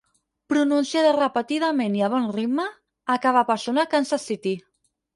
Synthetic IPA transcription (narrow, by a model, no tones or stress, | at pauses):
pɾununsjaðarəpət̪iðameniaβ̞ɔnriməː | kaβapasonakansasit̪i